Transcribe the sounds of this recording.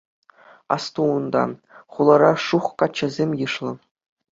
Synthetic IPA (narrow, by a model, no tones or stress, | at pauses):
ɑ̰st̪uund̪ɑ̰ | χulˠɤɾɑʂuχkɑt͡ɕːɘ̆zʲemʲjɯʂlˠɤ̆